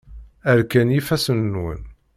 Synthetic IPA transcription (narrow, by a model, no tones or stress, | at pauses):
æɾkænjifæsənːwə̰n